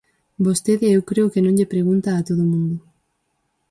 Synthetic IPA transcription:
bost̪eðɪewkɾeʊkenõŋʎepɾeɣunt̪aːt̪oðʊmũnd̪ʊ

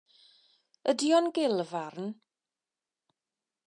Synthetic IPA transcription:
ədiɔnɡɪlˠvarn

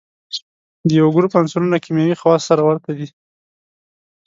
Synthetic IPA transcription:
d̪əjawaɡɾupansulunakimjawixawɑsaɾawaɾt̪ad̪i

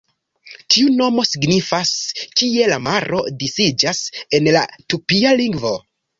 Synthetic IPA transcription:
tʰiuno̞mo̞siɡnifaskie̞lamaɾʔo̞disid͡ʒase̞nla̰tupialiŋɡvo̞

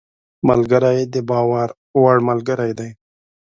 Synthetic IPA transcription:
malɡəɾajd̪ebɑːwaɾ | waɽmalɡəɾajd̪aj

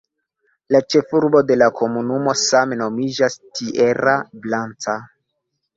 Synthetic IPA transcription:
lat͡ʃe̞fuɾbo̞de̞lakʰo̞munumo̞sameno̞mid͡ʒastʰiʔe̞ɾablant͡sa

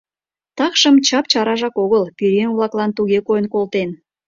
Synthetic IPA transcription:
t̪ɑkʃəmt͡ɕɑp̚t͡ɕɑɾɑʒɑkoɣəlpiɾeŋβlˠɑklɑnt̪uɣekojənkolt̪en

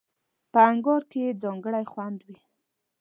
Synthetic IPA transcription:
pəaŋɡɑɾkejed͡zɑŋɡəɽajxwand̪wi

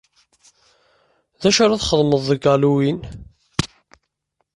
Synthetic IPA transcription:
ðæʃaɾaθχəðˤməðˤːəɡɑluwin

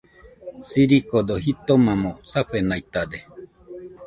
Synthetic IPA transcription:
siɾikod̪ohit̪omãmõsaɸenait̪ad̪e

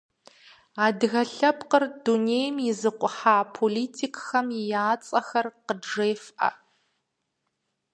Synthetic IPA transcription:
aːdɣɐɬɐpqərduneːjmjɪzɨqʷʼʊħaːpʰoliːtʰikxɐmɪjaːt͡sʼɐxɐrqəʐeːfʔɐ̰

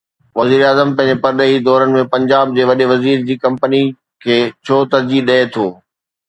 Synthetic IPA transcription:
ʋɐziːɾaːzəmpɐ̃ɦɪ̃ɲd͡ʑepɐɾɗəɦid̪ɔːɾənɪ̆mẽpɐ̃ɲd͡ʑaːb̚d͡ʑeːʋɐɗeʋɐziːɾd͡ʑiːkɐ̃mpəni | kʰeːt͡ɕʰoːt̪ɐɾd͡ʑiɗɐet̪ʰoː

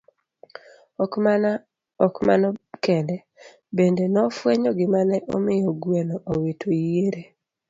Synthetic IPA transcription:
ɔkma̰nɔkɛndɛ | bendenɔfwɛɲɔɡɪmanɛʔɔ̰mɪjɔɡwɛnɔʔowetʰoeɾe

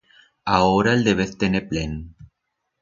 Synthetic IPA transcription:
aoɾaeld̪eβeθt̪eneplen

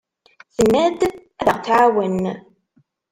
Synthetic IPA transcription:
θənːæd̪ | æðəʁθʕawən

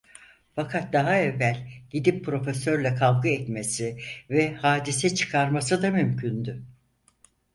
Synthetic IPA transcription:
fakʰat̪̚d̪aɦaɛvːælʲɟid̪ippːɾo̞fesø̞ɾlʲɛkʰalˠɡɯɛt̪mesivɛhaːd̪isɛt͡ʃʰɯ̥kʰaɾmasɯd̪amymcʰynd̪y

